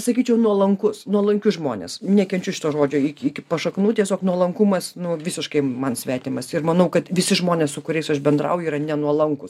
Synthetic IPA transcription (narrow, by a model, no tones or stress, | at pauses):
sɐkʲiːt͡ʃʲɛʊnuɔlˠɐŋkʊsnuɔlˠɐŋʲkʲʊsʒmoːnʲḛːsnʲɛkʲɛnʲt͡ʃʲʊʃʲɪt̪oːʒoːd͡ʒʲoːɪkʲikʲɪpɐʃɐknuːt̪ʲiɛsʲoːknuɔlˠɐŋkʊmɐsnʊʋʲɪsʲɪʃkɐɪmɐnsʲʋʲæːt̪ʲɪmɐsɪrmɐnɐʊkɐt̪ʋʲɪsʲɪʒmoːnʲeːssʊkʊɾʲɛɪsɐʃbʲɛnd̪rɐ̰ʊjiːɾɐnʲɛnuɔlˠɐŋkʊs